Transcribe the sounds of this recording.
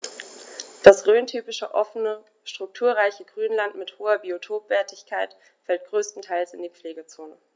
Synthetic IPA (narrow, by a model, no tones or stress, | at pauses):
d̥asʁøːntʰyːpɪʃə̰ʔɔfənə | ʃtʁ̥ʊk̚tʰuːɐʁaɪçəɡʁyːnlantmɪthoːɐbiotʰoːpv̥ɛːɐtɪçkʰaɪt | fɛlt̚ɡ̥ʁøːstn̩tʰaɪlsɪndiːp͡fleːɡət͡soːnə